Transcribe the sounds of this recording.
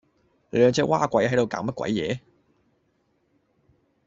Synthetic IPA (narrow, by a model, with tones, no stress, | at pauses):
ɛ˧˩t͡ɕʰɛ˥waː˥kʷa˧˥jha˨˧˥jt̪o˨˧˨kaː˨˥ŋmɐ˥kʷwa̰˧˥jjɛː˨˥